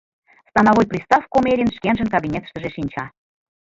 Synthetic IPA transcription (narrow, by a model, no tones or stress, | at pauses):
st̪ɑnɑvojprʲist̪ɑfkomeɾʲinʃkʲenʒə̆nkɑbʲinʲet̪ʃt̪ə̆ʒeʃinʲt͡ɕɑ